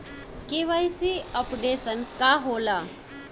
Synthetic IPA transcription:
kiʋajsiəpɖesənkaɦola

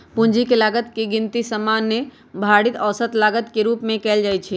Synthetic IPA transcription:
pũnd͡ʒikelaːɡət̪keɡɪnt̪isəmanːe | bʱaɽit̪əːsət̪laːɡət̪keɾuːpmẽkɛːld͡ʒaːjt͡ʃʰi

